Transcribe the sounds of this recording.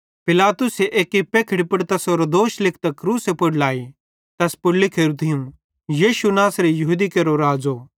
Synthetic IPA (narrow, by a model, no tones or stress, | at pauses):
pɪlaːt̪ʊseʔeːkipeːkʰɪɽipʊɽt̪ɐsoɾod̪oːʃlɪkʰt̪ɐkɾuːsepʊɽlaːi | t̪ɐspʊɽlikʰeɾut̪ʰijũ | jiːʃunaːsɾejɐɦud̪ikeɾoɾaːd͡zo